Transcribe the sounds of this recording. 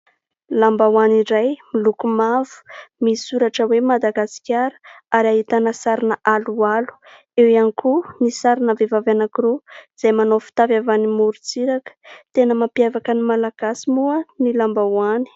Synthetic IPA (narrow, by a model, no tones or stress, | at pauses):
lambawaniɾajmilukumavu̥misuɾaʈ͡ʂəwemad̪aɡasi̥kʲjaɾə̥ | aɾaɦit̪anəsaɾinəʔalualu̥ | ewianikʰunisaɾinəvevavanakiɾoz̥ajmanofi̥t̪avavanimuɾut͡siɾakə̥t̪enəmapjavakənimalaɡ̥asimuənilambawani̥